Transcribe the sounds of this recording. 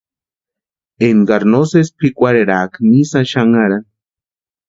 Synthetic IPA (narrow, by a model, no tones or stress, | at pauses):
enɡaɾnosespikʷaɾeɾakmisaʃaŋaɾa